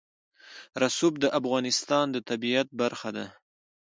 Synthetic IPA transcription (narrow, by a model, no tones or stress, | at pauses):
ɾasub̚d̪əʔafɣɑnɪst̪ɑnd̪ət̪abiat̪̚baɾxad̪a